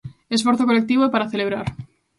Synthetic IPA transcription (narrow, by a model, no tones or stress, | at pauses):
esfoɾθokolek̚t̪iβopaɾaθeleβɾaɾ